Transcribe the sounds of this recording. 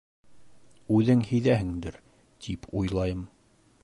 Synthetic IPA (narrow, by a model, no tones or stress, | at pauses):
ʉðɘŋhɘ̆jðæɦɘ̆ŋd̪ɘɾ | t̪ʰipʰujlˠɑjɤm